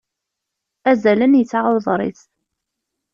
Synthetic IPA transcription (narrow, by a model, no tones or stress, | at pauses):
æzælənjət͡sːaʕəlˤðˤɾˤḭθ